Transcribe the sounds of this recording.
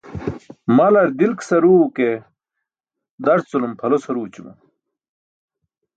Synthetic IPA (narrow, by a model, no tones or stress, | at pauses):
mɐlɐɾd̪ilksɐɾuːke | d̪ɐɾt͡sulumpʰɐlosɐɾuːt͡ɕumṵ